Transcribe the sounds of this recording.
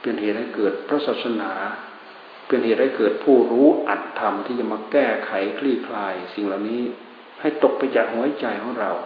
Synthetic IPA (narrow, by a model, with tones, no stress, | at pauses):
pe˧nheː˨˩t̪̚ha˥˩jkɤː˨˩t̪̚pʰɾa˦˥saː˨˩p̚sa˧naː˩˦ | pe˧nheː˨˩t̪̚ha˥˩jkɤː˨˩t̪̚pʰuː˥˩ɾuː˦˥ʔa˨˩t̪ʰːa˧mt̪ʰiː˥˩t͡ɕa˧˩maː˧kɛː˥˩kʰa˩˦jkʰliː˥˩kʰlaː˧jsi˨˩ŋlaː˨˩wniː˦˥ | ha˥˩jt̪o˨˩k̚pa˧jt͡ɕaː˨˩k̚hu˨˦˥t͡ɕa˧jkʰɔː˨˩˦ŋɾa˧w